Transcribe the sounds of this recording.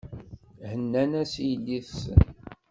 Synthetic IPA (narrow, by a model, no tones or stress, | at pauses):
hənːænæsjəlːiθsə̰n